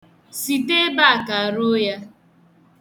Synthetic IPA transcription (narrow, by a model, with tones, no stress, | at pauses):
si˨te˦ba˦a˨ka˨a˨ɾo˦ja˦